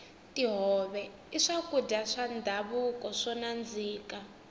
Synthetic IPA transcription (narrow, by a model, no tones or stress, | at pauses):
tiɦɔβɛ | iʂakudaʂand̪ʱaβukʼɔʂɔnand͡ziːka